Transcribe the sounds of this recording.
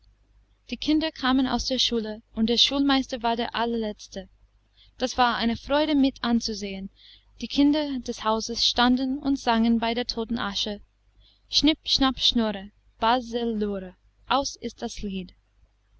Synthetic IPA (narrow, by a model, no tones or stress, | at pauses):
d̥iːkʰɪndɐkʰaːməna̰ʊsd̥eːɐʃuːləʊntd̥eːɐʃuːlmaɪstɐvaːɐdeːɐʔalɐlɛt͡stə | d̥asv̥aːɐʔa̰ɪnəfʁ̥ɔʏɾəmɪtʰant͡suzeːən | d̥iːkʰɪndɐdɛshaʊzəsʃtandn̩ʊ̰ntz̥aŋənbaɪdeːɐtʰoːtn̩ʔaʃə | ʃnɪpʃnapʃnɔʁə | b̥azɪlːoːʁə | ʔaʊsɪst̚d̥asliːd